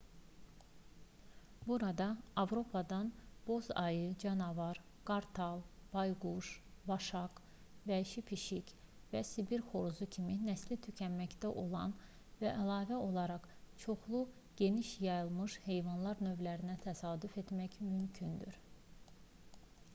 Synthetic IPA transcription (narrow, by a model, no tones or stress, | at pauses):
buɾɑd̪ɑːvɾo̞pʰɑd̪ɑnb̥o̞zɑjɯd͡ʒɑnɑvɑɾ | ɡ̥ɑɾt̪ʰɑlˠb̥ɑjɡuʃbɑʃɑk | væʃipʰiʃic | væsibiɾxo̞ɾuzucʰiminæslit̪ʰycʰænmæcd̪æʔo̞lˠɑ̰n | væʔælˠɑːvæo̞lˠɑɾɑχt͡ʃʰo̞χlˠu | ɟ̥e̞niʃjɑjɯlˠmɯʃhe̞jvɑnlˠɑɾnø̞vlæɾinæt̪ʰæsɑːd̪yfe̞t̪mæçmymcʰynd̪y̰ɾ